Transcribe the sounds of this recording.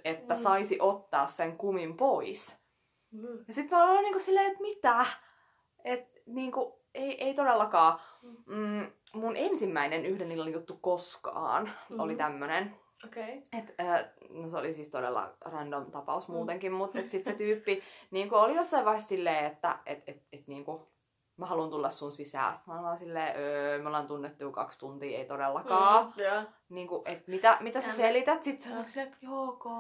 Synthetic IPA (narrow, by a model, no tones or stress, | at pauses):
et̪ːæsɑisiʔot̪ːɑːsseŋkumimpois | jɑsit̪mælolːɑniːŋkussilːeːet̪mit̪æː | et̪ | niːŋku | eiʔeit̪odelːɑkɑː | munʔensimːæinenyhdenːilːɑnjut̪ːukoskɑ̰ːnolit̪æmːønen | okeet̪əːnoseolisiːst̪odḛlːɑ̰rɑndont̪ɑpɑ̰usmuːt̪eŋkimmut̪et̪sit̪set̪yːpːiniːŋkuolijosːɑiʋɑihest̪silːeːet̪ːæ̰ʔet̪et̪et̪niːŋku | mæhɑlunt̪ulːɑssunsisæ̰ːst̪mɑnolɑːnsilːeːʔømolːɑnt̪unːet̪ːujkɑ̰kst̪unt̪iːḛit̪odelːɑkɑː | niːŋkuʔʔet̪mit̪æmit̪æsæselit̪æt̪sit̪seoksilːejoːko